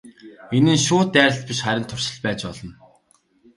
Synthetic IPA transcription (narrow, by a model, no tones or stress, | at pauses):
enɘ̆nʃʊːt̪ːæːɾʲə̆ɬt̪̚pʲiʃχæɾʲɪ̆nt̪ʰːʊrʃɪ̆ɮpæːt͡ɕpɔɮɞ̆n